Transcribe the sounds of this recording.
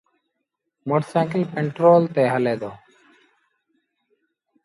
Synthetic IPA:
moːʈsãːkipɛɳʈɾoːlt̪eːɦəleːd̪oː

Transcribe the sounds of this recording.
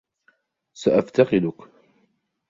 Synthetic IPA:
saʔaft̪ɑqɪlʊk

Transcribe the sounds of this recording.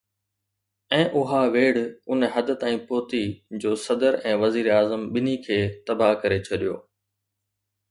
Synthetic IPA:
ɛ̃ːʔʊɦaʋeːɽ̤ʊnɦɐd̪ət̪ãːĩːpoːt̪id͡ʑoːsɐd̪əɾɛ̃ːʋɐziːɾaːzəmɓɪnikʰeːt̪ɐbakɐɾet͡ɕʰɐɗijo̰ː

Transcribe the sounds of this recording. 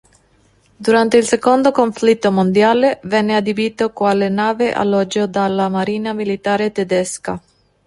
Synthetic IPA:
d̪uɾant̪eilsekond̪okoɱflit̪ːomond̪jaːlevɛnːead̪ibit̪okwalenaːveʔa̰lːɔd͡ʒːod̪alːamaɾiːnamilit̪aːɾet̪ed̪ɛska

